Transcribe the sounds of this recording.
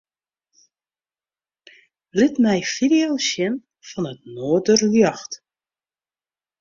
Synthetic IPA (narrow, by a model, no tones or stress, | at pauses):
lɪtmɛjfidiolʃjɪn | fɔnətnoːdəryjɑxt